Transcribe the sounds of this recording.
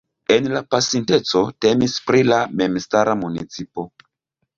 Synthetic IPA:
e̞nlapasinte̞t͡so̞te̞mispɾilame̞mstaɾamunḭt͡sipo̞

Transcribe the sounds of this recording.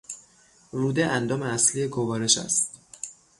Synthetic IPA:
ruːd̪eʔænd̪ɒːmeæslijeɡovɒːɾe̞ʃæ̰st̪

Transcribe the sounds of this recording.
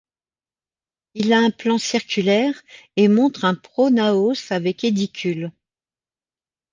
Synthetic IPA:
ilaɛ̃plɑ̃siʁkʲylɛʁemɔ̃t̪χɛ̃pχonaosavɛked̪ikʲʰyl

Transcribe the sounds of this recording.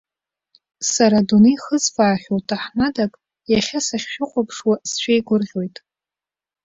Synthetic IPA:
saɾaduniχəzfaːχʲowtʼʰaħmadakʼ | jaχʲasaχʲʃᶣɪqʷʰʼapʰʂwasʃʷᶣejɡʷʊrʁʲo̞jtʼ

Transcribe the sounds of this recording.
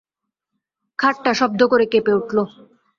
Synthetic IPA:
kʰaʈːaʃɔb̚d̪okoɾekepeuʈlo

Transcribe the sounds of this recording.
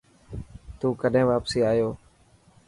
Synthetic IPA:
t̪uːkəɗɦẽːʋaːpsiːaːjoː

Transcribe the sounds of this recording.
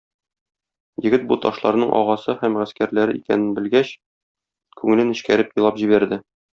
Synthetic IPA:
jɘ̆ɡɘt̪̚but̪ɒʃlˠɑɾnɤɴʔɒ̰ʁɑsɤhæmʁæskæɾlæɾɘikænɘnbɘ̆lɡæɕ | kʉŋɘ̆lɘnɘ̆ɕkæɾɘpjŏlˠɑpʑiβæɾd̪ɘ

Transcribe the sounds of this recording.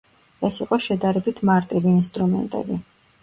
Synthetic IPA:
ɛsiqʼɔʃɛd̪aɾɛbit̪ʰmaɾt̪ʼiviːnst̪ʼɾumɛ̰nt̪ʼɛ̰bi

